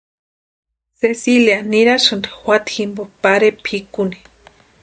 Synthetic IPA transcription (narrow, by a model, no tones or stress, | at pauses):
sesiljaniɾaʃɨnd̪i̥xwʷat̪ximbopaɾepʰikuni̥